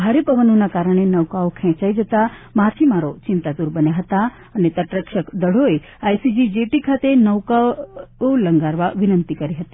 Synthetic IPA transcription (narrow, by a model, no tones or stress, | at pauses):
bʱaɾepəʋənonakaɾəɽ̃enəʋkaokʰɛ̃t͡ʃaid͡ʒət̪amat̪ʰimaɾot͡ʃɪnt̪at̪uɾbənjaɦət̪a | ənet̪əʈɾəkʃəkd̪əɽ̤oe | ajsid͡ʒid͡ʒeʈikʰat̪enəʋkaoləŋɡaɾʋaʋɪnənt̪ikəɾiɦət̪i̥